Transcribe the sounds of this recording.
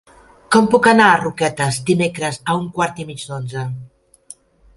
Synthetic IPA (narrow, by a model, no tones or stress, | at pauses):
kɔmpukanaːrukɛt̪əzd̪imekɾəzauŋkwaɾt̪imid͡ʒd̪onzə